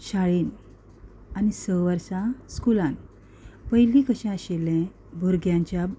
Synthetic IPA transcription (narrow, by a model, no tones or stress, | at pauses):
ɕaɭiːn | anisəʋəɾsãskulãn | pəjlikəɕɛ̃əɕelɛ̃ | bʱoɾɡjãɲt͡ɕja